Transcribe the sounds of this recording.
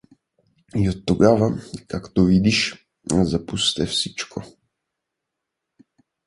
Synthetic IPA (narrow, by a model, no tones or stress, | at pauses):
iot̪ːoɡavakakt̪ovid̪iʃ | zapust̪ɛfsit͡ʃkʰo